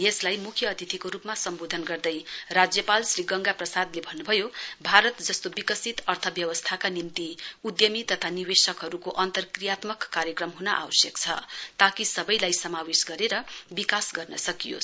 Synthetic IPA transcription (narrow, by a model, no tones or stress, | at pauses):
jeslajmukʰjʌːt̪it̪ʰikoɾupmasʌmbod̪ʱʌnɡʌrd̪ʌjrad͡zjʌpalsriɡʌŋɡaprʌsad̪lebʱʌnːubʱʌjobʱaɾʌt̪d͡zʌst̪obikʌsit̪ʌrt̪ʰʌbjʌwʌst̪ʰakanimt̪iud̪jʌmit̪ʌt̪ʰaniwesʌkɦʌɾukoʔʌnt̪ʌrkrijat̪mʌkːaɾjʌkrʌmɦunʌʔa̰wʌsjʌkt͡sʰʌ̰t̪akisʌbʌjlajsʌmawesɡʌɾeɾʌbikasɡʌrnʌ̰sʌkijo̰